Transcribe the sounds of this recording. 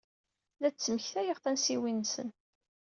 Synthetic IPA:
læt͡sːməçθæjəʁθænsiwinːsə̰n

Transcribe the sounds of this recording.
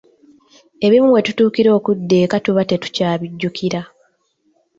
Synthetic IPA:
e̞βimumwe̞tutuːkiɾo̞ːkudːe̞ːkatuβate̞tu̥caːβiɟːukiɾa

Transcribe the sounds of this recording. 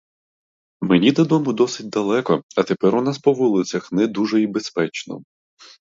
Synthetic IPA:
menʲid̪ɐd̪ɔmʊd̪ɔsɪt̚ʲd̪ɐlˠɛkɔɐt̪epɛɾʊnaspɔʋulˠɪt͡sʲɐxnɛd̪uʒɛibespɛt͡ʃnɔ̰

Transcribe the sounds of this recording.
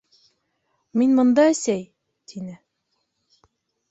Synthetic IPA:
minmɤ̆nd̪ɑæsæj | t̪ʰinɘ

